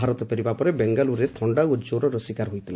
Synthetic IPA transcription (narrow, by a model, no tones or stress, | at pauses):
aɾɔt̪ɔpeɾibapɔɾebeŋɡaluɾet̪ʰɔɳɖawɔd͡ʒoɾɔɾɔsikaɾɦojt̪ʰile